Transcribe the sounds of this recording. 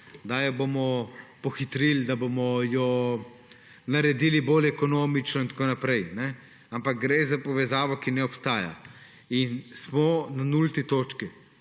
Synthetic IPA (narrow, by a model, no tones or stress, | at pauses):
d̪ajɔbomɔpɔxit̪ɾild̪abomɔjɔ | naɾɛd̪iːlibolɛkɔnoːmit͡ʃnɔint̪koːnapɾɛjnɛ | ampak̚ɡɾezapɔʋɛzaːʋɔkinɛɔpst̪aːja̰ | insmɔnanult̪it̪oːt͡ʃki